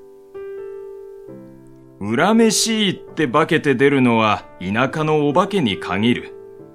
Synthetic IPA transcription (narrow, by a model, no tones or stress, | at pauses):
ɯ̟ɾame̞ɕiːt̪ːe̞bake̞t̪e̞d̪e̞ɾɯ̟no̞βainakano̞ːbake̞ɲ̟ikʰaŋiɾɯ̟̰